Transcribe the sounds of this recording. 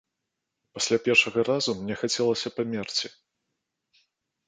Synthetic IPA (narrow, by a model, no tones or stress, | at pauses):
pasʲlʲapʲɛrʂɐɣɐɾazumnʲɛxat͡sʲɛlˠɐsʲɐpamʲɛrt͡sʲi